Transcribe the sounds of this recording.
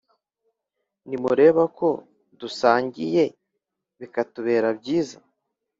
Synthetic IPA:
nimuɾe̞ːβako̞ | dusaːɲɟije̞ | βikatuβe̞ːɾabɟiːza

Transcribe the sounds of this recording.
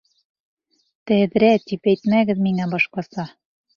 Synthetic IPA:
t̪æðɾæt̪ipæjt̪mæɡɘ̆ðmiŋæbɒʃqɑsɑ

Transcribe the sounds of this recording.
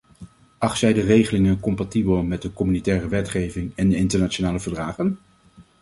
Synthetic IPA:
ɑχtsɛjdərejχəlɪŋənkɔmpatibəlˠmɛt̚dəkɔmynitɛːrəʋɛtχejvɪŋɛndəɪntəɹnaːt͡ʃonaːləvəɹdraːχən

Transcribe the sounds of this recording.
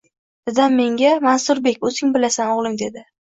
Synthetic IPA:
d̪̥ɪd̪anme̞ŋɡʲamansʊɾbe̞kʲɵzɪŋbɪlasanɒʁlˠɪŋd̪e̞d̪ɪ

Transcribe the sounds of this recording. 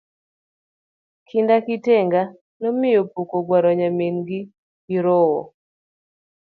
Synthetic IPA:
kʰindakɪteŋɡa | nɔmɪjopukoɡwaɾɔɲamenɡi | iɾowɔ̰

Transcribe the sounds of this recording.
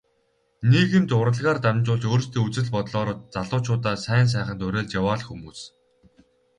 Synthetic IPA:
niɣɘ̆mt͡s̪ʊɾə̆ɮʁaːrt̪amʲt͡ɕʊːɮt͡ɕoːrst̪ʰeːut͡sɘ̆ɮpɔt̪ɮɔːɾɞt̪t͡saɮʊːt͡ɕʰʊːt̪aːsæːns̬æːχə̆nt̪ʊɾeæːɮt͡ɕjawaːɮxumuːs

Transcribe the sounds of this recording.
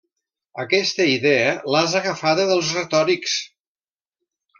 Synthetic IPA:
əkɛst̪əiðeəlazəɣəfaðəðəlˠzrət̪ɔɾiks

